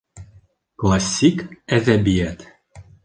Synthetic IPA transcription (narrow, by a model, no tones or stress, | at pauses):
klˠasʲːikæðæbijæt̪